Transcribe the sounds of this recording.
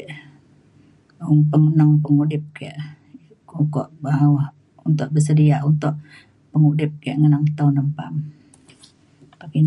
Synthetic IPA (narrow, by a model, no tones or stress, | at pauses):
oŋpəŋənəŋpəŋudɪp̚kaʔ | kukɔʔbaɦawah | unt̪ʊʔ̚bəsədiaʔunt̪ʊʔ | pəŋudɪp̚kajəʔŋənaŋt̪aunəmpam | pakin